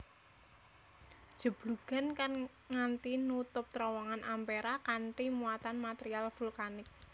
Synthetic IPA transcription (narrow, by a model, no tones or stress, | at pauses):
d̥ʒ̥ə̤b̥luɡ̥a̤nkan | ŋant̪inut̪ʊp̚t̪ɾɔwɔŋanʔampeɾakaɳʈimuat̪anmat̪eɾialfulkanɪk̚